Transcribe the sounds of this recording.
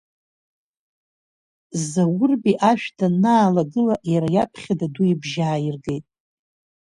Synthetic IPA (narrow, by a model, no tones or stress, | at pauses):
zawʊrbiʔaʃᶣdʰanaːlaɡɨlaʔjaɾajapʰχʲadaduibʒaːjirɡe̞jtʼ